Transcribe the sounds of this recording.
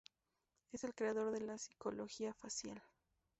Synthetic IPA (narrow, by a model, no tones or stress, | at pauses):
e̞se̞lkɾe̞aðo̞ɾðe̞lasi̥ko̞lo̞xiafasjal